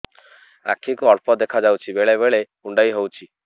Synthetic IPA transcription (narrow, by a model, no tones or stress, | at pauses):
a̰kʰikuɔɽpɔd̪ekʰad͡ʒawt͡ʃʰibeɭeβeɭe | uɳɖajɦowt͡ʃʰi